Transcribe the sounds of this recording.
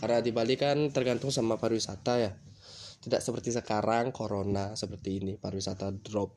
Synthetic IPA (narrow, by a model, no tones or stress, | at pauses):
karnadibalikant̪ərɡant̪ʊŋsamapaɾwisa̰t̪aja | t̪idaʔsəpərt̪isəkaɾaŋkʰoɾonasəpərt̪iːnipaɾwisat̪adɾɔp̚